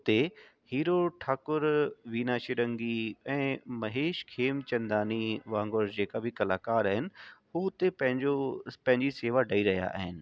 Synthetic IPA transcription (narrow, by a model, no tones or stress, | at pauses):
ʊt̪e | hiːɾoʈʰaːkʊɾʋiːnaːʃiɾɐ̃ŋɡiɛ̃ːmɐɦeːʃkʰeːmt͡ɕɐ̃nd̪aːniʋãːŋɡoɾd͡ʑeːkabʱɪkɐlaːkaːɾaːɦɪnɪ̆ɦut̪epɐ̃ɦɪ̃ɲd͡ʑopɐ̃ɦɪ̃ɲd͡ʑiseːʋaɖʱɐiɾɐɦija̰ʔa̰ːɦɪnɪ̆